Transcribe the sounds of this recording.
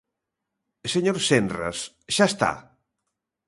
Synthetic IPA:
seɲoɾsenra̰s | ʃaest̪a̰

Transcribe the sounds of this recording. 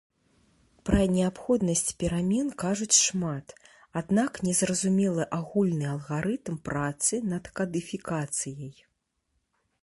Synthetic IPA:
pɾɐnʲɛapxɔd̪nɐsʲt͡sʲpʲɛɾamʲɛnkaʐut͡sʲʂmat̪ | ad̪naknʲɛzrɐzumʲɛlˠɨʔaɣulʲnɨɐlˠɣaɾɨt̪mpɾat̪sɨnɐt̪kɐd̪ɨfʲikat̪sɨjɐj

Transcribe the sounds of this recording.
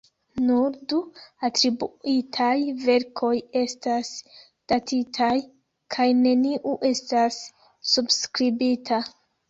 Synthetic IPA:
nuɾduatɾibuitʰajve̞ɾkʰo̞je̞stas | d̥atʰitʰaj | kʰajne̞niʔuʔe̞stasː | ubskɾibitʰa

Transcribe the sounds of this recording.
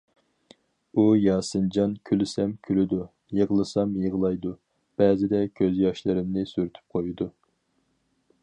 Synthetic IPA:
ujɑːsɨnd͡ʒɑnkʲʰylɪsɛmkʲʰylɪd̪u | jəʁlˠɨsɑmjəʁlˠɑjd̪u | b̥ɛːzɪd̪ɛkʲʰøzjɑʃlˠɨɾɪmnɪsyɾyt̪ʰy̥p̚qʰojud̪u

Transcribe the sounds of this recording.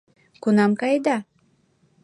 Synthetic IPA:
kunɑmkɑjd̪ɑ

